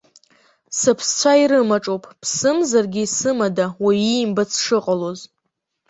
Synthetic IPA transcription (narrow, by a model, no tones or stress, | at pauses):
sɨpʰst͡sʷʰaiɾɨmaʈ͡ʂʼowpʼpʰsɨmzarɡʲisɨmadawaimbat͡sʰʂɨqʼalo̞z